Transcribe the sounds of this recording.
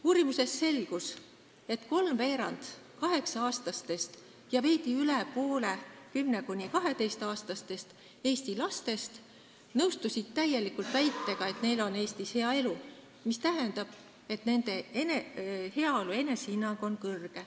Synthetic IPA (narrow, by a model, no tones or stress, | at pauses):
uːɾimuse̞sːe̞lɡ̥us | e̞t̪ko̞lmve̞ːɾɑnd̪̥kɑɦe̞ksɑɑːst̪ɑst̪e̞st̪ | jɑve̞ːt̪iylepoːle̞kymne̞kunʲːikɑɦe̞t̪e̞jst̪ɑːst̪ɑst̪e̞st̪ | e̞ːst̪ilɑst̪e̞st̪ | nɤwst̪usʲit̪t̪æje̞likult̪væjt̪ːeɡ̥ɑe̞t̪ne̞jlo̞ne̞ːst̪ishe̞ɑe̞lu | mist̪æɦe̞nd̪ɑb̥ | e̞t̪ne̞nd̪e̞enehe̞ɑo̞lue̞ne̞sinːɑɡ̥o̞nkɤrɡ̥e̞